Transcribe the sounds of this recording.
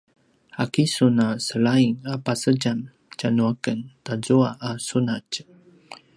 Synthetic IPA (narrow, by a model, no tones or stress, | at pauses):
a̰kisunasəɭaiŋapasəɟan | t͡ʃanuakəntazuaʔasunac